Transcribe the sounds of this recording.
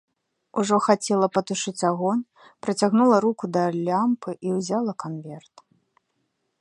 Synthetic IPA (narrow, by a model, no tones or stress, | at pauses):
uʐɔxat͡sʲɛlˠɐpɐt̪uʂɨt͡sʲaɣɔn | pɾɐt͡sʲaɣnulˠɐɾukud̪ɐlʲːampɨʔiwzʲalˠɐkanvʲɛrt̪